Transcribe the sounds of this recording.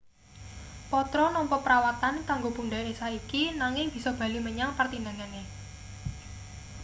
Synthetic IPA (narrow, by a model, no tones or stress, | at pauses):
pɔt̪ɾɔnɔmpɔpəɾawat̪ankaŋɡopundaesaikinaŋɪŋb̥i̤sɔb̥ä̤liməɲaŋpərt̪indaŋane